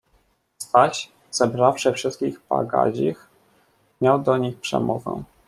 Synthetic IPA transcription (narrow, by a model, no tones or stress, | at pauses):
st̪aɕ | z̥ɛbɾafʂɘfʂɘst̪̚kʲiɣba̰ɡa̰ʑix | mʲjawd̪ɔɲixpʂɛ̰mɔvɛ̰